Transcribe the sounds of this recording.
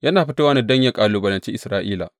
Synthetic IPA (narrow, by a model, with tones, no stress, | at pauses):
jɐ˦naː˨ɸi˦ta˦wa˦na˦˨dɐ˦ɲja˨kʼaː˨luː˨bɐ˨lɐ˨nt͡ʃi˦ʔɪ˨sɾaː˦ʔiː˦la̰˨